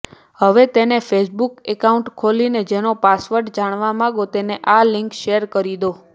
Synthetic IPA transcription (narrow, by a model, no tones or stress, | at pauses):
həʋet̪enefʰesbukekauɳʈkʰolined͡ʒenopasʋəɾɖd͡ʒaɽ̃ʋamãɡot̪eneʔalɪ̃ŋkʃeəɾkəɾid̪o